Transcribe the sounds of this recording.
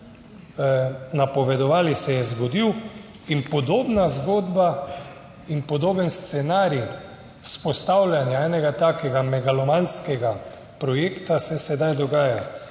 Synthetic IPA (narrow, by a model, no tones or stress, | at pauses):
napɔʋɛd̪ɔʋaːlisɛjɛzɡɔd̪iw | inpɔd̪oːbnazɡoːd̪ba | inpɔd̪oːbənst̪sɛnaːɾi | wspɔst̪awlʲjanjaɛːnɛɡat̪aːkɛɡamɛɡalɔmanskɛɡa | pɾɔjeːkt̪asɛsɛd̪ajd̪ɔɡaːja